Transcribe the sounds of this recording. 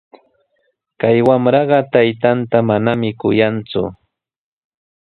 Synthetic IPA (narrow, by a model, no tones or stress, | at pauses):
kajwamɾɑɢɑt̪ajt̪ant̪amanamɪkʊjant͡sʊ̰